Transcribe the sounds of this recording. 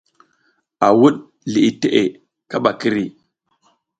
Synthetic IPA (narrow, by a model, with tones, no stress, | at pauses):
a˨wu˦ɗ | li˨ʔi˨te˦ʔe˨ | ka˦ɓa˨ki˦ɾi˦